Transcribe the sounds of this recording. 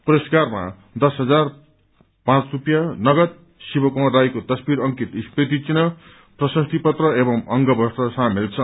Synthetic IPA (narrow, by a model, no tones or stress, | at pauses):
puɾʌskarma̰ | d̪ʌsɦʌd͡zar | pãt͡srupjanʌɡʌt̪̚ | sibʌkõd̪ajkot̪ʌsbiɾʌŋkit̪ispet̪it͡sinʌ | prʌsʌst̪ʰipʌt̪rʌebʌmʌŋɡʌbʌsʈ̪ʌsãmilt͡sʰʌ